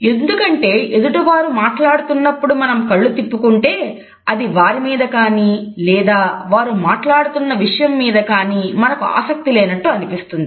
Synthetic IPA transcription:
e̞nd̪ukɐɳʈe̞ːʔed̪uʈuʋaːɾumaːʈlaːɽut̪unːɐpːuɽumɐnɐmkɐɭːut̪ipːukuɳʈe̞ː | ɐd̪iʋaːɾimiːd̪ɐkaːniːlɛːd̪aːʋaːɾumaːʈlaːɽut̪unːɐʋiʂɐjɐmːiːd̪ɐkaːniːmɐnɐkua̰ːsɐk̚t̪ileːnɐʈːuɐnipist̪und̪i

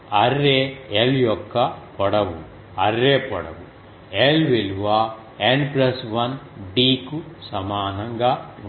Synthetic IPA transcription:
ɐrːeːeljɔkːɐpɔɽɐʋu | ɐrːeːpɔ̰ɽɐ̰ʋu | elʋiluʋaː | enplɐsʋɐnɖiːkusɐmaːnɐŋɡaː

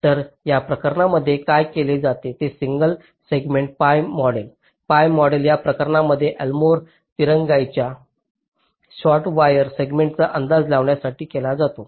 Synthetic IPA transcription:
t̪əɾjapɾəkəɾɳaməd̪ʱːjekajkeled͡zat̪et̪esiŋɡəl | seɡmeɳʈ̚pajmːɔɽel | pajmːɔɽeljapɾəkəɾɳaməd̪ʱːjeʔɛlmoɾ | t̪iɾəŋɡajt͡ɕja | ɕɔʈʋajəɾseɡmeɳʈ̚t͡saʔənd̪ad͡zlaʋɳjasaʈiːkelad͡zat̪o

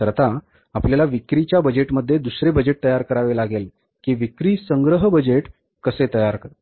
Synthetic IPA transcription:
əɾt̪a | apljalaʋikɾit͡ɕjabəd͡ʑeʈməd̪ʱːjed̪usɾebəd͡ʑeʈ̚t̪əjaɾkəɾaʋelaɡel | kiːʋikɾiːsəŋɡɾəɦbəd͡ʑeʈ | kəset̪əjaɾkəɾ

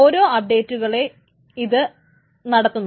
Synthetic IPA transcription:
oːɾo̞ːɐp̚ɖe̞ːtːuɣɐɭe̞ | iðɨ | nɐɽɐt̪ːunː

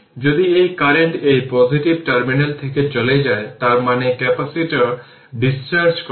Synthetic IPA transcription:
d͡ʑod̪iejkaɾeɳʈejpɔziʈib̚ʈaɾminelt̪ʰeket͡ɕoled͡ʑaet̪aɾmanekɛpasiʈaɾ | ɖist͡ɕaɾd͡ʑk

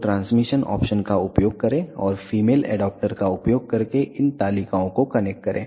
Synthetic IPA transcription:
ʈɾãːnsmɪʃənɔ̰ːpʃənkaʊpjoːɡ̚kɐɾẽɔːɾfiːmeːlɛ̰ːɖɔːp̚ʈəɾkaʊpjoːɡ̚kɐɾkeʔɪnt̪aːlikaõkokɐnɛk̚ʈ̚kɐɾʔḛ̃ː

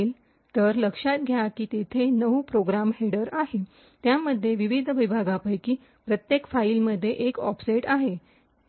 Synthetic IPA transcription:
l | t̪əɾləkʂat̪̚ɡʱjakiːt̪et̪ʰenəʋpɾoɡɾamɦeɽəɾaɦe | t̪jaməd̪ʱːjeʋiʋid̪ʱʋibʱaɡapəjkiː | pɾət̪jekfailməd̪ʱːjeʔekɔ̰fseʈaɦe

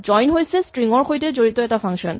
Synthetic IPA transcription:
d͡ʑɔjnɦojt͡ɕʰesʈɾiŋoɾkʰojʈed͡ʑoɾit̪oeʈafaŋʃon

